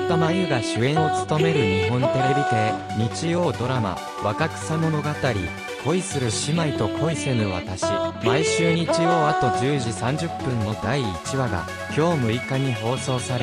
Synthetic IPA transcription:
t̪ːomaɲʲɯɡaɕɨẽ̞ɰ̃o̞t͡sɨ̥t̪o̞me̞ɾɯ̟ɲ̟iɦõ̞nt̪e̞ɾebʲit̪e̞ | ɲ̟it͡ɕijo̞ːd̪o̞ɾama̰ | βakakɯ̥samo̞no̞ɡat̪aɾʲḭ | kʰo̞isɨɾɯ̟ɕimait̪o̞kʰo̞ise̞mɯ̟βa̰t̪aɕimaiɕɨːɲ̟it͡ɕijo̞ːat̪o̞d͡ʑɨːʑisãɲ̟d͡ʑɨpːɯ̟̃ñːo̞d̪aiːt͡ɕiβaɡa̰ | kʲo̞ːmɯ̟ikaɲ̟iɦo̞ːso̞ːsaɾe

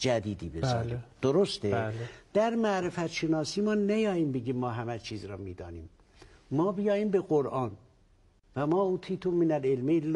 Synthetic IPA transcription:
d͡ʒæd̪iːd̪iːbezɒ̰lid̪̥oɾost̪eld̪̥æɾmæʔɾefæt̪ʃenɒːsiːmɒːnæjɒːjiːmbeɡiːmːɒːɦæmæt͡ʃʰiːzɾɒːmiːd̪ɒ̰ːnḭːmː | ɒːbijɒːjiːmbeɣoɾʔɑːn | væmɒːut̪ʰiːt̪ʰumminælelmel

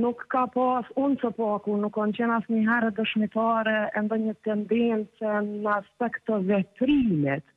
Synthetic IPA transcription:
nukːapasunsəpakunukːɔnt͡ɕɛnasniɦɛɾɛd̪əʃmit̪aɾɛɛnd̪ɛɲət̪ɛnd̪ɛnt͡sɛnnəaspɛkt̪ːəvɛt̪ɾimit̪

